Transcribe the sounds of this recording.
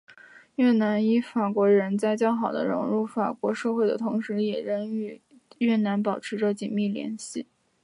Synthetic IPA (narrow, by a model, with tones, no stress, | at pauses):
jɛ˥˩na˧˥ni˥˩fa˨˩kwɔ˧˥ɻə˧˥nt͡sa˥˧ɪt͡ɕjɑ˥ʊxɑ˨˩ʊd̪ə̰˦ɻʊ̰˧˥ŋɻu˥˩fa˨˩kwɔ˧˥ʂɤ˥˧xwe˥˩ɪd̪ə̰˩t̪ʰʊ˧˥ŋʂɻ̩˧˥jɛ˨˩ɻə˧˥ny˧˥ | jɥɛ˥˩na˧˥npɑ˨˩ʊʈ͡ʂʰɻ̩˧˥ʈ͡ʂɤ˥˧t͡ɕi˨˩nmi˥˩ljɛ̰˧˥nɕi˥˩